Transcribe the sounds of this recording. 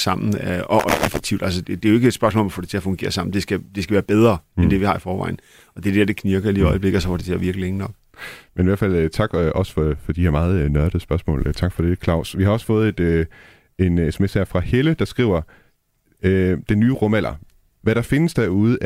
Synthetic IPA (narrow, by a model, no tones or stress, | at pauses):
sɑ̈m̰n̩ɒʔefeɡ̥̚t͡sʰiʊd̥ælsədd̥e̝joe̝ɡ̥əed̥sb̥ɶɐsmɔ̰ːlɒ̽mfɔ̽ːɾet͡sʰe̝æɐfɔ̽ŋɡ̥e̝̰ːɐsɑ̈m̰n̩d̥e̝sɡ̥æd̥e̝sɡ̥æʋæːɐb̥eð̞ˠʁɐend̥e̝ʋihɑ̈ifɒːʋɑ̰̈ɪn̩ | ɒ̽d̥e̝d̥eɐd̥ekʰniɐɡ̥ɐiliɒ̽ɪəb̥le̝ɡ̥̩ˠsɒ̽fɔ̽ɾet͡sʰe̝æʋiɐɡ̥lileŋənɒ̽ɡ̥̚ | meniʋæɐfæl̰t͡sʰɑ̈ɡ̥ɒ̽sfɒfɒ̽d̥iheɐmɑ̈ːð̞̩ˠnɶɐɾ̥əsb̥ɶɐsmɔ̰̽ːlt͡sʰɑ̈ɡ̥fɒɾ̥e̝kʰlɑ̈ʊ̰sʋihɑɒ̽sə̥fɔ̽ːð̩ˠe̝d̥ | e̝nesemesæɐfʁɑ̈heləd̥ɑ̈sɡ̥ʁḭːʊɐ | ød̥enyːʁɔmæl̰ʔɐ | ʋæɾ̥ɑ̈fe̝nəsd̥æɐuð̩ˠ